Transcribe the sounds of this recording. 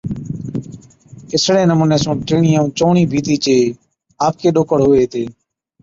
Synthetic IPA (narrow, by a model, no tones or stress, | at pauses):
ɪsɽeːnəmũːnẽːsũːʈeːɳiːãũːt͡ʃoːɳiːbʱiːt̪iːt͡ʃeː | aːp̚keːɗoːkəɽɦʊːeːt̪eː